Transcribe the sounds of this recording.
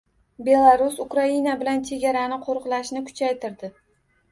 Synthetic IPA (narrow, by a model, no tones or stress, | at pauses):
be̞lˠaɾʊsʊkɾainabɪlant͡ʃʰe̞ɡʲaɾanɪqʰoɾqlˠaʃnɪkʰʊ̥t͡ʃʰajt̪ɪɾd̪ɪ